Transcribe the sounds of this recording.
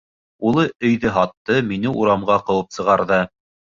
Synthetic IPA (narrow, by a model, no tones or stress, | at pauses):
ulˠɤɵ̆jðɘɦɑt̪ːɤminɘʔuɾɑmɢɑqɤ̆wɤpsɤ̆ʁɑɾðɤ